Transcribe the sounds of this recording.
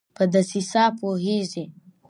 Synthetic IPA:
pəd̪asisɑpoɦeʐi

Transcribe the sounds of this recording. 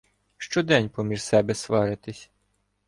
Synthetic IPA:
ʃt͡ʃɔd̪ɛnʲpɔmʲiʒsɛbɛsʋɑɾɪt̪ɪsʲ

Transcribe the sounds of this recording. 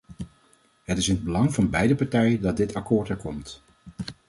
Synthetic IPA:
ɦətɪsɪnəd̚bəlɑŋvɑnbɛjdəpɑɹtɛjədɑt̚dɪtɑkoːɹtɛɹkɔmt

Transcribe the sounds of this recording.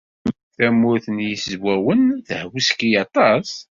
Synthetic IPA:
θæmːʊɾθənjiszwæwənθəhwiskijɑt̪ˤɑs

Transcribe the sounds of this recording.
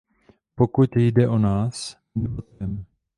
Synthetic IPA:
pokut̪jdɛʔonaːs | bɪbot̪̚kɛm

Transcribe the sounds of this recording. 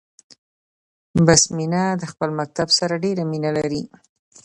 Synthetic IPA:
basminad̪əxpəlmak̚t̪absaɾaɖeɾaminalaɾi

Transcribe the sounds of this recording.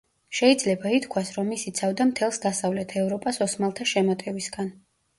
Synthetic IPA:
ʃɛid̪zlɛbait̪ʰkʰwasɾɔmːisit̪sʰavd̪amt̪ʰɛlˠsd̪asavlɛt̪ʰɛvɾɔpʼasɔsmalˠt̪ʰaʃɛmɔt̪ʼɛbisɡan

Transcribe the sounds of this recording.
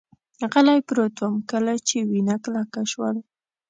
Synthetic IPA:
qalajpɾot̪wamkəlat͡ʃewɪnaklakaʃwa̰l

